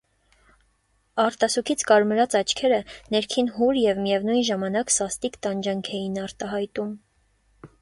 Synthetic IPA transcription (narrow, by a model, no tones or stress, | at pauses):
ɑɾt̪ɑsukʰit͡sʰkɑɾməɾɑt͡sɑt͡ʃʰkʰɛɾənɛɾkʰinɦuɾjɛvmijɛvnujnʒɑmɑnɑksɑst̪ikt̪ɑnd͡ʒɑŋkʰɛjinɑɾt̪ɑɦɑjt̪um